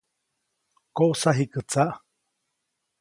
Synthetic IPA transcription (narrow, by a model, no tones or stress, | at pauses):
koʔsaɦikɨt͡saʔ